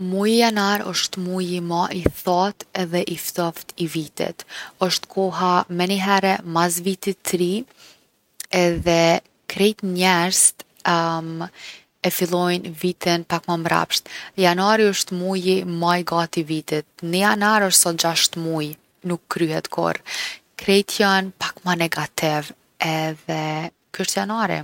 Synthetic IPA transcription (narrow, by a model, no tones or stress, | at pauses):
mujijanaɾəʃt̪mujimaʔiθat̪ɛðɛʔift̪ɔft̪ivit̪ɛ̰t̪ɔʃt̪kʰɔɦamɛniɦɛɾɛmazvit̪it̪ːɾi | ɛðɛ | kʰɾɛjt̪ɲɛɾzt̪ | ɛfilˠɔjnvit̪ɛnpakmamɾa̰pʃt̪janaɾiɔʃt̪mujimajɡat̪ivit̪it̪̚nəjanaɾɔʃt̪sɔt̪̚d͡ʒaʃt̪muj | nukːɾyhɛt̪kʰɔ̰ɾkɾɛjt̪ʰjanpakmanɛɡat̪ɪv | ɛðɛ | kəʃt̪janaɾḭ